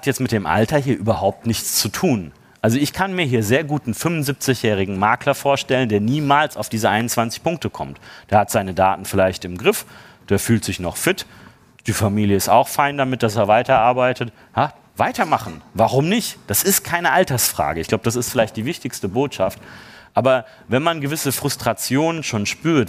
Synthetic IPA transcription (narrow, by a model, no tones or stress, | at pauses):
hatjɛt͡stmɪt̚d̥eːmʔa̰ltɐɦiːɐʔyːbɐɦaʊp̚tnɪçt͡st͡sutʰuːn | ʔalzoɪçkʰanmiːɐɦiːɐzeːɐɡuːtn̩fʏmʊnzip̚t͡sɪçjɛːʁ̞ɪɡŋ̩maɐklɐfoːɐʃtɛləndeːɐniːmaːlsaʊfd̥iːzəʔaɪnʊnt͡sv̥ant͡sɪ̥çpʰʊŋk̚təkʰɔmtd̥eːɐhatz̥aɪnəda̰ːtn̩fɪlaɪçtɪmɡʁɪf | d̥eːɐfyːltz̥ɪçnɔχfɪt | d̥iːfamiːljəɪsta̰ʊxfaɪndamɪt̚d̥as̬eːɐvaɪtɐʔaɐbaɪtət | ha | vaɪtɐmaχn̩vaʁ̞ʊmnɪçtd̥asɪst̚kʰaɪnəʔaltɐsfʁ̥a̰ːɡəɪçɡ̥laʊbəd̥as̬ɪstfɪlaɪçt̚d̥iːvɪçtɪçstəboːtʃaft | ʔaːbɐ | vɛnmanɡəvɪsəfʁ̥ʊstʁ̥at͡sjoːnənʃoːnʃpyːɐt